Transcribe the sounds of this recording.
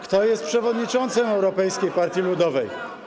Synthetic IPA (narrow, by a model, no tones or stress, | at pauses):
kt̪ɔjɛst̪pʂɛvɔd̪ɲit͡ʂɔnt̪sɛmɛwɾɔpɛjskʲejpaɾt̪ʲjilud̪ɔvɛj